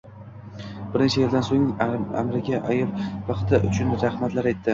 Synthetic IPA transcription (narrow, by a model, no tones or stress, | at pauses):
bɪɾnet͡ʃʰajɪld̪ansoŋa̰mɾɪɡʲaʔajɪpvɑqt̪ʰɪʔʊ̰t͡ʃʰʊnɾahmat̪laɾajt̪ʰːɪ